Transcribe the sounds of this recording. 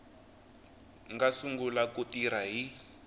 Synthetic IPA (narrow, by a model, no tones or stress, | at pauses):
ŋɡasuŋɡulakutiɾaɦi